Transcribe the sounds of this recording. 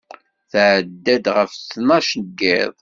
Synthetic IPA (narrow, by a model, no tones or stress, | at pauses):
θʕd̪ːæd̪ʁəfθnɑʃɡːɪðˤ